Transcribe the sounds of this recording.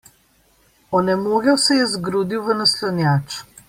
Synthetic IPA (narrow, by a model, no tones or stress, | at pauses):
ɔnɛmoːɡjɛwsɛjɛzɡɾuːd̪iwʋənɐslɔnjaːt͡ʃ